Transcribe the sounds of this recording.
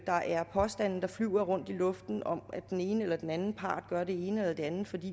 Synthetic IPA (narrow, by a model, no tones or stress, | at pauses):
d̥ɑ̈ʔæɐpʰɒ̽sd̥æn̰n̩d̥ɑ̈flyʊɐʁɔ̽n̰d̥ilɔ̽fd̥n̩ɒ̽mæd̥ene̝ːnəelɐd̥enænn̩pʰɑ̰̈ːd̥̚ɡ̥ɶɐɾ̥e̝e̝ːnəelɐd̥e̝ænð̩fɒ̽d̥ḭː